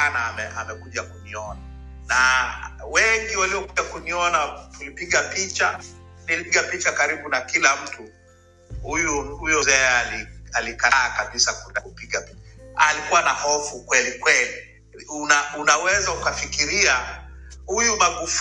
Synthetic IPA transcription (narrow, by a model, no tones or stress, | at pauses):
anaːmɛʔamɛkuʄakuniɔnanawɛŋɡiwaliɔkuakuniɔnatulipiɠapit͡ʃanilipiɡapit͡ʃakaɾiɓunakilam̩tu | hujuhujɔzɛɛalialikaːkaɓisakunakupiɠapit͡ʃaalikuwanahɔfukwɛlikwɛli | unaunawɛzaukafikiɾiahujumaɡuf